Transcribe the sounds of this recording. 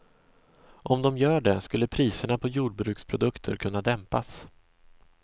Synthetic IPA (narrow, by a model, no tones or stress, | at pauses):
ʔɔmd̪ɔmjœːɖɛskɵlːəpʰɾiːsəɳapʰɔjuːɖ̚bɾʉ̟ːkspʰɾʊd̪ɵkt̪ʰə̰ɾkʰɵnːad̪ɛmpas